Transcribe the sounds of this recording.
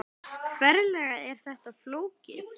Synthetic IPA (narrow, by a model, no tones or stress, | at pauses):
kʰvɛɾlɛɣaɛɾ̥θɛht̪aðfloːwcɪ